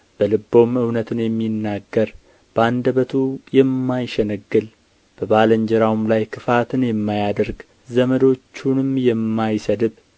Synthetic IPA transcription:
b̥əlɨbːo̞mɨwnət̪ʰɨnjɛmːinːaɡːəɾ | b̥əand̪əβət̪ʰujɛmːajʃɛnəɡːɨl | b̥əbaləɲd͡ʒɛɾawmlajkʰɨfat̪ʰɨnjɛmːajad̪əɾɡ | zəməd̪o̞t͡ʃːunɨmjɛmːajsəd̪ɨb

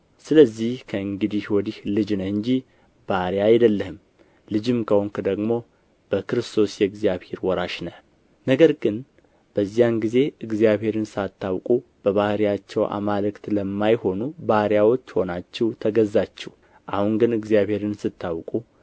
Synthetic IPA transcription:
sɨləzːihkʰəɨŋɡɨd̪ihwɔd̪ihlɨd͡ʒnəhɨɲd͡ʒi | b̥aɾjaajd̪əlːəhɨm | lɨd͡ʒɨmkʰəhoŋkʰɨd̪əɡmo̞ | b̥əkɨɾɨst̪ʰo̞sjɛɨɡzijaβhe̞ɾwɔɾaʃnə | nəɡəɾɡɨn | b̥əzːijanɡize̞ɨɡzijaβhe̞ɾɨnsat̪ʰːawkʼub̥əβahɾjat͡ʃːɛwʔa̰malɨkt̪ləmːajho̞nubahɾjawo̞t͡ʃːho̞nat͡ʃːɛwt̪ʰəɡəzːat͡ʃːɛh | ʔahuŋɡɨnɨɡzijaβhe̞ɾɨnsɨt̪ʰːawkʼu

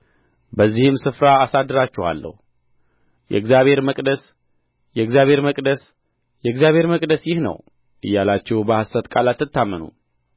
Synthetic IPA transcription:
bəzːihɨmsɨfɾaːsad̪ːɨɾat͡ʃːɛwa̰lːə̰hu | jɛ̰ɡzijaβhe̞ɾməkʼd̪əs | jɛɨɡzjaβhe̞ɾməkʼd̪əs | jɛɡzjaβhe̞ɾməkʼd̪əsjɪhnə̰w | ʔɨ̰jːalat͡ʃːɛhbəhasət̪kʼalat̪ːɨt̪ʰːamːənṵ

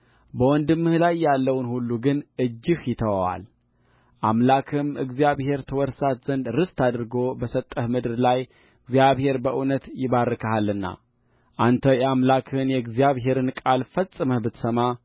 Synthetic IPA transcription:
bəwɔnd̪ɨmːɨhlajːalːəwnhulːuɡɨnʔɨd͡ʒːɪhjɪt̪ʰəwawa̰l | ʔamlakʰɨmɨɡzijaβhe̞ɾt̪ʰəwɔɾsat̪z̥ənd̪ɾɨst̪ʰad̪ɾɡo̞bəsət̪ʼːəhmɨd̪ɨɾlaj | ɨɡzijaβhe̞ɾbəʔɨnət̪jɪβarːɨkʰaɦalːɨnːa̰ | ʔant̪ʰəjɛamlakʰɨnjɛɨɡzijaβɦe̞ɾɨnkʼalfəsʼɨməhbɨt̪səma

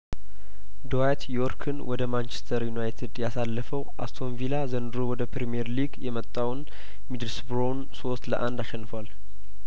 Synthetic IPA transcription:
d̪oat̪joɾkʰɨnwɔd̪əmant͡ʃɛ̥st̪ʰəɾjunajt̪ʰid̪jasalːəfəwʔa̰st̪ʰo̞nvilazənd̪ɨɾowɔd̪əpɾemijeɾliɡjɛmət̪ʼːawn | mid̪ɨlsbɾon | sost̪lə̰ʔand̪aʃɛnːɨfəwal

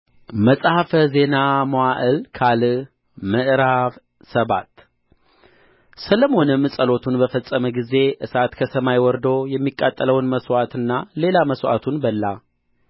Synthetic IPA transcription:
məsʼhafəze̞namoaʔəlkʰalɨ | məʔɾaβ | səβat̪ | sələmo̞nɨmːsʼəlo̞t̪ʰunbəfəsʼːəməɡize̞ʔɨsat̪kʰəsəmajwɔɾd̪ojɛmːikʼːat̪ʼːələwnməswat̪ɨnːale̞laməswa̰t̪ʰunbəlːa

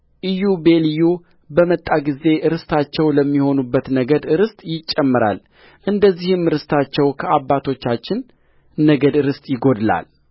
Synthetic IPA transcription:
ʔɨjube̞lju | bəmət̪ʼːaɡize̞ʔɨɾɨst̪ʰat͡ʃːɛwləmːiho̞nubːət̪nəɡəd̪ɨɾɨst̪ʼjɪt͡ʃʼːɛmːɨɾa̰l | ʔɨnd̪əzːihɨmɾɨst̪ʰat͡ʃːɛwkʰəabːat̪ʰo̞t͡ʃːat͡ʃːɪnː | əɡəd̪ɨɾɨst̪ʼjɪɡo̞d̪la̰l

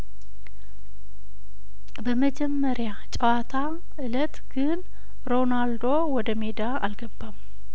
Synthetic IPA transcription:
bəməd͡ʒɛmːəɾja | t͡ʃʼəwat̪ʰa | ʔɨlət̪ɡ̥ɨn | ɾo̞nald̪o̞wɔd̪əme̞d̪aa̰lɡəbːam

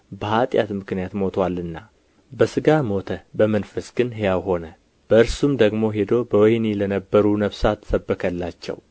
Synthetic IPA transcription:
bəhat̪ʼja̰t̪mɨknɨjat̪mo̞t̪ʰwalːɨnːa | bəsɨɡamo̞t̪ʰəbəmənfəsɡ̥ɨnɦejawɦo̞nə | b̥əɨɾsumd̪əɡmo̞ɦe̞d̪o̞bəwɔjnilənəbːəɾunəβsat̪ʰːə̥səbːəkʰəlːat͡ʃːɛ̰w

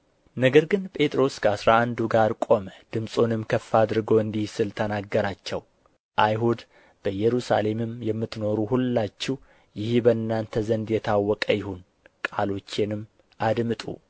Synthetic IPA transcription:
nəɡəɾɡɨnpʼe̞t̪ʼɾo̞skʰəasɾaand̪uɡaɾkʼo̞məd̪̥ɨmsʼo̞nɨmkʰəfːad̪ɾɨɡowɨnd̪ihsɨlt̪ʰənaɡːəɾat͡ʃːɛw | ʔajɦud̪ | b̥əjɛɾusa̰le̞mɨmjɛmːɨt̪no̞ɾuhulːat͡ʃːɪh | jɪhbənːant̪ʰəzənd̪jɛt̪ʰawːɔkʼəjɪhun | kʼalo̞t͡ʃːenɨm | ʔad̪mɨt̪ʼṵ

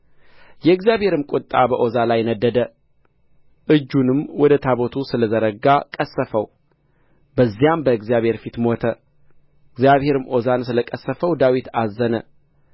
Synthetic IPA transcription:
jɛɨɡzjaβhe̞ɾɨmkʼʊt̪ʼːabəʔo̞zalajnəd̪ːəd̪ə | ʔɨd͡ʒːunɨmwɔd̪ət̪ʰaβot̪ʰusɨləzəɾəɡakʼəsːəfəw | bəzːijambəɨɡzijaβhe̞ɾfit̪mo̞t̪ʰə | ɨɡzjaβhe̞ɾɨmʔo̞zansɨləkʼəsːəfəwd̪awit̪ʰazːənə

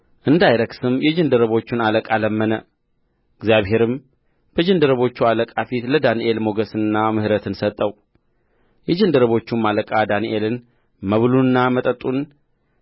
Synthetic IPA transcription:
ʔɨnd̪ajɾəksɨmjɛd͡ʒɨnd̪əɾəβo̞t͡ʃːunaləkʼaləmːənə | ɨɡzijaβɦe̞ɾɨm | b̥əd͡ʒɨnd̪əɾəβo̞t͡ʃːualəkʼafit̪ləd̪aniʔe̞lmo̞ɡəsɨnːamɨhɨɾət̪ʰɨnsət̪ʼːəw | jɛd͡ʒɨnd̪əɾəβo̞t͡ʃːumːaləkʼad̪aniʔe̞lɨn | məβluɨnːamət̪ʼət̪ʼun

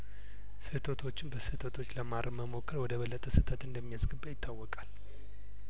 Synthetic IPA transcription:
sɨt̪ʰət̪ʰo̞t͡ʃːɪnbəsɨt̪ʰət̪ʰo̞t͡ʃːləmaɾʔəməmo̞kʰːəɾwɔd̪əβəlːət̪ʼəsɨt̪ʰət̪ɨnd̪əmːijasɡɨbːajɪt̪ʰːawːɔkʼal

